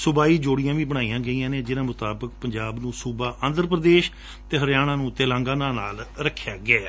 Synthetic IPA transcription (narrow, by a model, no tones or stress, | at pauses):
sʊbaːiːd͡ʒoːɽɪjãːʋĩːbəɽ̃aːiːãːɡəiːãːnẽːd͡ʒɪnãːmʊt̪aːbək̚pəɲd͡ʒaːbnũːsuːbaːʔənd̪əɾp̬ɾəd̪eːʃ | t̪eːɦəɾjaːɽ̃ãːnũːt̪eːlãːŋɡãːnãːnaːlɾəkʰːjaːɡaː